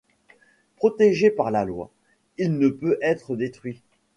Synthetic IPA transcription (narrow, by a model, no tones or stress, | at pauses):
pχɔt̪eʒepaʁlalwa̰ | ilnəpøʔɛt̪χəd̪et̪χɥi